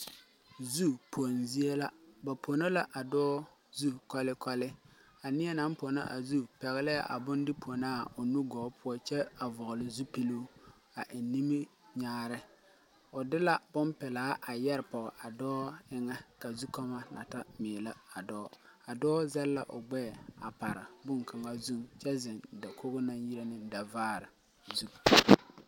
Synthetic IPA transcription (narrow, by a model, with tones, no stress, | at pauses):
zu˦pʰo˨nzi˦e˦la˦ba˨pʰo˨no˦la˦ʔa˨dɔː˦ | zu˦kɔ˦lɪ˦kɔ˦lɪ˦ | a˨nɪ˦ɛ˦na˨˦mpo˨na̰˦ʔa̰˨zu˦pɛ˨ɣɪ˦lɪ˦ja̰˦˨ʔa̰˨bʊ˦ndɪ˦pʰo˨naː˦˨ʊ˨nu˦ɡɔː˨˦pʰʊ˦ɔ˦t͡ʃɛ˦a˨vʊ˨ɣʊ˨lɪ˨zu˦pi˦lu˦ | a˨ʔɪ˨nːi˦mi˦ɲaː˦ɾɪ˦ | ʊ˨dɪ˦la˨bʊ˦npɛ˨laː˦ʔa˨jɛ˦ɾpɔ˨ʔa˨dɔː˦ɪ˦ŋɛ˦ka˨zu˦kɔ˦ma˦la̰˨ta˦mɪː˨la˦a˨dɔː˦a˨dɔː˦zɛ˦lla˨ʔʊ̰˨ɡ͡bɛː˦˨a˨pa˨ɾɪ̰˨bʊ˦ŋka˨ŋa˦zu˦mt͡ʃɛ˦zɪ˨n˨da˨kʰo˦ɣʊ˦na˦nji˦ɾa˦nɪ˦da˨vaː˦˨ɾɪ˨ | zu˦˨